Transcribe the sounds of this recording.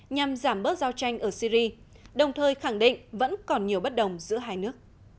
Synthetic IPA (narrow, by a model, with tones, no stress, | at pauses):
ɲa˨˩mzaː˧˩mɓəː˦˥t̚zaː˧wt͡ɕa˧jŋ̟ʔəː˧˩si˧zi˧ | ɗə˨˩wŋ͡mt̪ʰəː˨˩jxa˧˩ŋɗḭ˧˨ŋ̟və̰˧˥nkɔ˨˩nɲi˨˩əwɓə˦˥t̚ɗə˨˩wŋ͡mzɨ̰˧˥əɦaː˧jnɨ˦˥ək̚